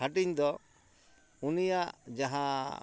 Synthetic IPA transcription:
aʈiɲd̪ɔ | unijaʔd͡ʒaɦã

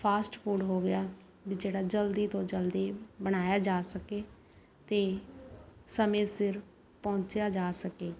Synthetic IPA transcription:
pʰaːsʈpʰuːɖɦoːɡɪjaː | bid͡ʒeːɽaːd͡ʒəld̪iːt̪õːd͡ʒəld̪iːbəɽ̃aːjaːd͡ʒaːsəkeː | t̪eː | səmẽːsɪɾ | pɔ̃ːt͡ʃjaːd͡ʒaːsəkeː

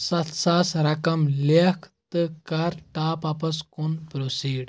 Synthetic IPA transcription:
sɐt̪ʰsaːsɾɐkɐmlekʰt̪ɨkɐɾʈaːpapɐskunpɾosiːɖ

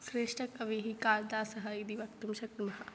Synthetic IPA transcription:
sɾeːʃʈɐkɐʋeːɦikaːld̪aːsɐɦɐid̪iʋɐkt̪umʃɐk̚t̪imɐɦa

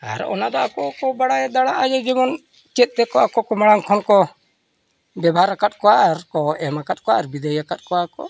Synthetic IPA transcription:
a̰ɾɔ̰nad̪ɔakɔʔkɔbaɽajɛd̪aɽaʔad͡ʒɛɡɛmɔn | t͡ʃɛt̪̚ˀt̪ɛkɔakɔʔkɔmaɽaŋkʰɔnkɔ | bjɛbaɦaɾakat̪̚kɔwaaɾkɔɛmakat̪̚kɔaɾbid̪əjakat̪̚kɔwakɔ̰

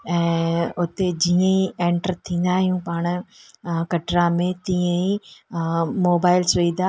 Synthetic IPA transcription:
ɛ̃ːʊt̪ed͡ʑiːə̃iẽːɳʈəɾt̪ʰĩːnd̪aːɦijũpaːɽ̃ʊ | kɐʈɾamẽt̪ĩːə̃i | moːbaːɪlsiːd̪a

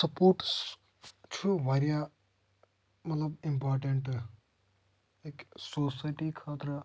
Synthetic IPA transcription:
sɐpoːɾʈ | t͡ʃʰuʋaːɾija | mɐt̪lɐbimpaːɾʈeɳʈ | eksoːsaːjʈikʰaːt̪ɾə

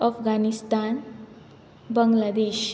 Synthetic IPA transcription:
əfɡanist̪an | bəŋɡlad̪eɕ

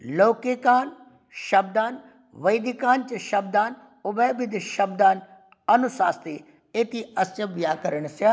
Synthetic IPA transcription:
loːkekaːn | ʃɐb̚d̪aːn | ʋɐjd̪ikaːnt͡ʃɐʃɐb̚d̪aːn | ʊbebɪd̪ʃɐb̚d̪aːn | ɐnʊsaːst̪eː | et̪iɐst͡ʃɐbjaːkɐɾəɳ̃se

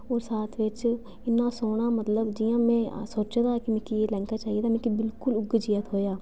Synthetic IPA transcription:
oːɾsaːt̪ʰʋɪt͡ʃ | ɪnːãːsoːɽ̃aːmət̪ləbd͡ʒɪjãːmɛ̃ːsoːt͡ʃːd̪aːkimɛ̃ːkieːlɛ̃ːŋkaːt͡ʃaːɦied̪aːmɛ̃ːkibɪlkʊlʊɡd͡ʒijət̪ɦoːjaː

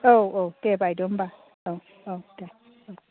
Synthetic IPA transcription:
owotebaidom̩ba | o | ota | o

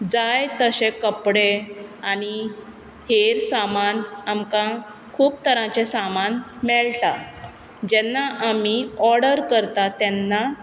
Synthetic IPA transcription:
d͡zajt̪əɕẽkəpɽeaɽi | heɾsamanamkã | kʰuːp̚t̪ʰəɾãt͡ɕesamanmɛɭta | d͡ʑɛnːaʔamiɔɾɽəɾkəɾt̪at̪ɛnːa

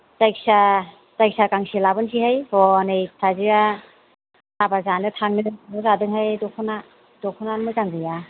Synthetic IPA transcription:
tajk̚sa | tajk̚sakaŋsilabɯnsʰihajhɔnɯjsʰaziɾa | abazanɯtʰaŋnɯnɯzadɯŋhajdɔkʰɔna | dɔkʰɔnanmɯjkaŋɡɯja

